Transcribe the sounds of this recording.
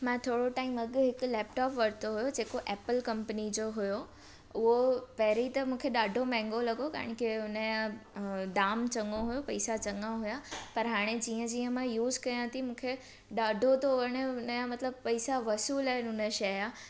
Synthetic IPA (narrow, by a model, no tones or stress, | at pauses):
mãːt̪ʰoːɽoʈaːɪmɐɡɦɪkʊlɛːpʈaːpʋɐɾt̪ʰoɦʊjod͡ʑeːkoʔɛːpəlkɐ̃mpənid͡ʑoːɦʊjo | ʊɦopɐɦɪɾit̪ɐmũːkʰeɗaːɖʱomɛ̃ːŋɡolɐɠoka̰ːɪ̃ɽ̃kʰeɦʊnəjãd̪aːmt͡ɕɐ̃ŋoɦʊjopɐɪsat͡ɕɐŋãɦʊjapɐɾɦaːɽ̃ed͡ʑiːə̃d͡ʑiːə̃mãjuːzkɐjãt̪ʰimũːkʰe | ɗaːɖʱot̪ʰoʋɐɽ̃əɦʊnəjãmɐt̪ləb̚pɐisaʋɐsuːlaɦnɦʊnəʃɐaː